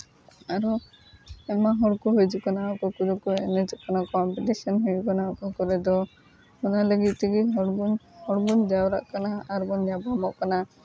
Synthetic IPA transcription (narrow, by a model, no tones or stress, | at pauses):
aɾu | ɛmaɦɔɽkuɦojd͡ʒukanaɔkɔkud̪ɔkuɛnɛd͡ʒɔkanakɔmpiʈisɔnɦujukanaɔkɔkɔɾɛd̪ɔ | ɔnaleɡit̪̚ˀt̪ʰiɡiɦɔɽbuhɔɽbund͡ʒawɾa̰ʔkanaaɾbɔnjabɔmɔʔkana